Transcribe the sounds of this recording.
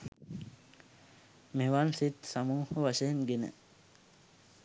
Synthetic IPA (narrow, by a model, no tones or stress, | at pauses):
meʋaːnsit̪samuːhəʋaʃeːnɡenḛ